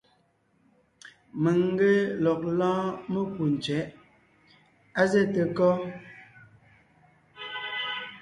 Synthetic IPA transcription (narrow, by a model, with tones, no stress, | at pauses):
mə˨ŋ˦ɡe˦lɔ˨k̚lɔ̃ː˦mə˦ku˨n̩˨t͡ʃɥɛ˨˦ʔ | a˦ze˦˨te˨kɔ˦